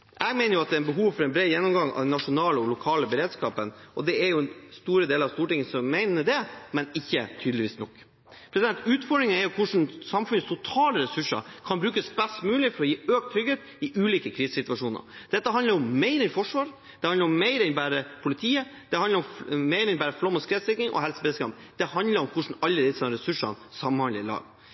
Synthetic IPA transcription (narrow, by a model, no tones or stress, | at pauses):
ʔɛɡmɛɪnəjʊɑt̪̚d̪ɛɾɛnbəɦuːʋfɔɾɛnbɾeːjɛnːɔmɡɑŋɑ̰ʋd̪ɛnːɑʂʊnɑːləɔlʊkʰɑːləbəɾeːd̪skɑːpənʔɔd̪ɛæɾjʊɛnst̪uːɾəd̪eːləɾɑʋst̪uːʈɪŋəsɔmːæɪnəɖ̪ɛmɛnɪçːət̪ʰyːd̪lɪʋiːsnɔkː | pʰɾɛsɪd̪ɛnt̪ʉːt̪fɔɖɾɪŋənɛɾjʊkʰʊʂn̩sɑmfʉnːəst̪ʰʊt̪ʰɑːləɾɛsʉʂə̰kʰɑnbɾʉːkəsbɛst̪mʉːlɪfɔɾɔjiːøːk̚t̪ʰɾʏɡeːt̪ | ɪʔʉːliːkəkʰɾiːsə̥sɪt̪ʋɑʂuːnə̰ɾd̪̥ɛt̪ːəɦɑnd̪əɾɔmːæɪɾɛnfɔʂʋɑːɾ | d̪̥ɛhɑnəɾɔmːæɪɾəɛnbæːɾəpʰʊlɪt̪ʰiːəd̪̥ɛhɑnd̪əɾɔmmɛɪɾɛnbæːɾəflɔmːɔskɾɛːt̪sɪk̪ɪŋʔɔ̰hɛlsəbɛskɑ̰md̪̥ɛhɑnd̪ləɾɔmkʰʊʂɳ̩ɑlːəd̪ɪsɑmɾɛsʉʂɑ̰nsɑmːnhɑnəɾɪlɑ̰ːɡ